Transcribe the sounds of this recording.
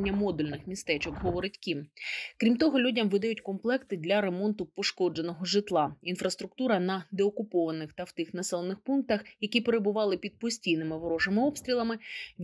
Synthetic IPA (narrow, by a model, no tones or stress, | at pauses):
nʲːɐmɔd̪ulʲnɪxmʲist̪ɛt͡ʃɔkɦɔʋɔɾɪtʲkʲimkɾʲimt̪ɔɦɔlʲudʲɐmʋɪd̪ɐjʉtʲkɔmplˠɛkt̪ɪd̪ʲlʲɐɾe̞mɔnt̪ʊpɔʃkɔd͡ʒenɔɦɔʒɪt̪lˠɑinfɾɐst̪ɾʊk̚t̪uɾɐnɐd̪eɔkʊpɔʋɐnɪxt̪ɐwt̪ɪxnɐsɛlˠenɪxpunk̚t̪ɐxjɐkʲipeɾebʊʋɑlˠɪpʲid̪̚pɔsʲtʲijnɪmɪʋɔɾɔʐɐmɪɔpst̪ɾʲilˠɐmɪʋʲ